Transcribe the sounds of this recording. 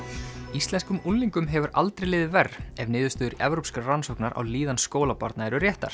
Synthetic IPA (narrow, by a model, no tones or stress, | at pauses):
ist̪ɛnskʏmunliŋkʏmɦɛvʏɾʔa̰lt̪ɾejlɪːðɪvɛrːɛvnɪːðʏst̪ʏːðʏɾɛ̰vɾowpskaransɔwknaɾʔa̰wliːðanskoːwlapa̰ɾt̪naɛɾʏrjɛht̪a̰ɾ̥